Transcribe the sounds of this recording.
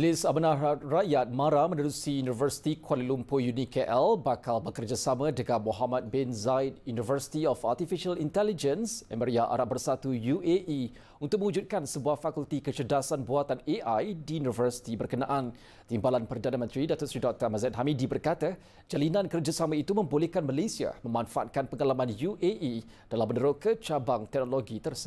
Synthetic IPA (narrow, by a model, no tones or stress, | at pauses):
d͡ʒlisamanarajat̪̚maɾamə̃ndəduksijunivərsi̥t̪ikʰwalilumpojunikeʔɛlbakalbəkərd͡ʒasamə̃dəɡamoɦamat̪̚bɛnzajt̪̚junivərsi̥t̪iɔfart̪ifiʃalint̪ɛlid͡ʒənsɛməɾiaʔa̰ɾat̪̚bərsat̪ujueʔi | unt̪ʊk̚mə̃wud͡ʒut̪̚kansəbuafakult̪ikət͡ʃədasanbuat̪aneʔajdiunivərsi̥t̪ibərkənãʔan | t̪imbalanpərdanə̃mə̃nt̪ɾidaʔ̚t̪usɾidɔk̚t̪əmazɛt̪ɦamidibərkat̪a | d͡ʒalinãnkərd͡ʒasamãit̪umə̃mbolehkanməlesia̰məmanfaʔa̰t̪̚kanpəŋalamãnjuʔeʔi | d̥alamːənəɾokət͡ʃabaŋt̪ɛk̚noloɡit̪ərsə